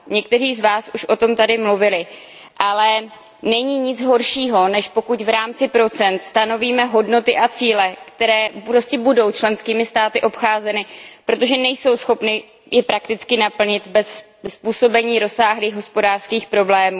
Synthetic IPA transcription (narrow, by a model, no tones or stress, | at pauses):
ɲɛk̚t̪ɛriːzvaːsuʃʔo̞t̪o̞mt̪adɪmluvɪlɪ | ʔalɛ | nɛɲiːɲɪd͡zɦo̞ɾʃiːɦo̞nɛʃpo̞kucvɾaːmt͡sɪpɾo̞t͡sɛnt̪st̪ano̞viːmɛɦo̞dno̞t̪ɪʔat͡siːlɛkt̪ɛɾɛːɾoscɛbudo̞wt͡ʃlɛnskiːmɪst̪aːt̪ɪʔo̞pxaːzɛnɪpɾo̞t̪o̞ʒɛnɛjso̞wsxo̞pnɪ | jɛpɾak̚t̪ɪt͡skɪnapl̩ɲɪt̪bɛsː | puːso̞bɛɲiːɾo̞sːaːɦliːɣɦo̞spo̞daːr̥skiːxpɾo̞blɛːmuː